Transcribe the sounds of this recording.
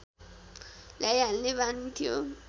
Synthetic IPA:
lajanlebanit̪ʰijo

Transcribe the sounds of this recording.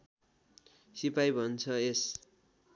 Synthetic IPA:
sipajbʱʌnt͡sʰʌes

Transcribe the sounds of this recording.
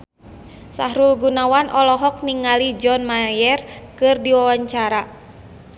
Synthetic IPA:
sa̰hɾulɡunawanʔɔlɔɦɔk̚niŋalid͡ʒɔnmajɛrkɨrdiwawaɲt͡ʃaɾa

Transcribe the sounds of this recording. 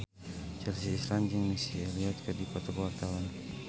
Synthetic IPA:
t͡ʃɛlsiːsland͡ʒəŋmisiɛliɔt̪̚kədipɔt̪ɔkəwart̪awan

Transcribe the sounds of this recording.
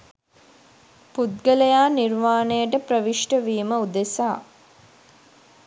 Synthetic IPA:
put̪̚ɡəlejaːniɾmaːnejəʈəpɾəʋiʂʈəʋiːməud̪esaː

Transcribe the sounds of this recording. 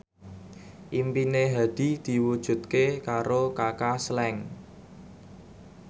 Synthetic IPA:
ʔimpineɦa̤d̪̥i̤d̪̥i̤wud̥ʒ̥ṳt̪̚kekaɾokakaslɛŋ

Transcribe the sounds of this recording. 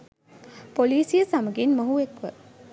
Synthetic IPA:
poliːsijəsaməɡinməɦuekʋə̰

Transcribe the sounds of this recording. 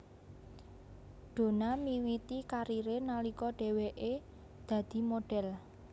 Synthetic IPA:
ɖ̥o̤namiwit̪ikaɾiɾenalikɔɖ̥e̤weʔe | d̪̥ä̤d̪̥i̤moɖ̥ɛl

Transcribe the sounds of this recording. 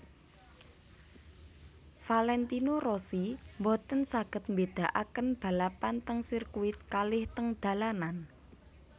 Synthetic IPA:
falɛnt̪inorosimbɔt̪ənsaɡ̥ə̤t̪̚mbed̪̥a̤ʔakənb̥ä̤lapant̪əŋsirkuɪt̪̚kalɪht̪əŋd̪̥ä̤lanan

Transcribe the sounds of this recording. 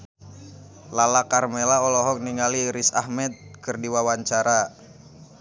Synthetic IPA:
lalakarmɛlaɔlɔɦɔk̚niŋaliɾisahmɛt̪̚kɨrdiwawaɲt͡ʃaɾa

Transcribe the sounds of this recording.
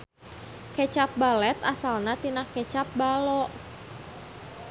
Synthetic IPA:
ket͡ʃap̚balɛt̪asalnat̪inahket͡ʃap̚balɔʔ

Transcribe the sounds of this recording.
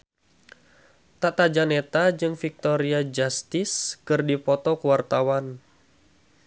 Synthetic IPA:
t̪at̪ad͡ʒanet̪ad͡ʒɨŋfik̚t̪ɔɾiad͡ʒast̪ɪskɨrdipɔt̪ɔkuwart̪awan

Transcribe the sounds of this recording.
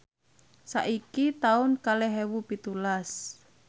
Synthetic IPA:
sa̰ʔikit̪aʊnkalɛɦɛwupit̪ulas

